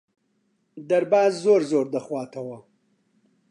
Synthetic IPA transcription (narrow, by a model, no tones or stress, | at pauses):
d̪ɐɾbaːzːoːɾzoːɾd̪ɐxwaːt̪ʰɐwɐ